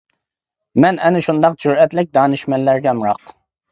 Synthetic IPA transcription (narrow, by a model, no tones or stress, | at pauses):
mɛnɛnɪʃund̪ɑqd͡ʒuɾɛt̪lɪk̚ʲd̪ɑːnɨʃmɛnlæɾɡʲɛmɾɑq